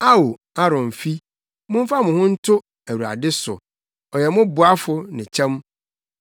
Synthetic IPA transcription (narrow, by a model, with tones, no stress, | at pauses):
a˦wo˨ | a˦ɾɔ̃˨m˨fi˦ | mʊ̃˦m˦fa˦mʊ̃˨hʊ̃˦n̩˦tʰʊ˦ | æ˨wu˨a̰˨dɪ˦sʊ̰˨ | ɔ˨jɛ˨mʊ̃˦bʊ˨a˦fʊ˦nɪ̃˨t͡ɕʰɛ̃˦m